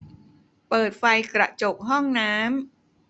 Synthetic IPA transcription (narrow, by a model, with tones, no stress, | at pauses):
pɤː˨˩t̪̚fa˧jkɾa˨˩ʔt͡ɕo˨˩k̚ɦɔ˥˩ŋnaː˦˥m